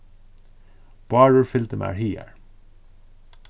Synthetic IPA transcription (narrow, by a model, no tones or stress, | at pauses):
b̥ɑːɹəɹfɪlt̪əmæ̰ːɹhiːæ̰ɹ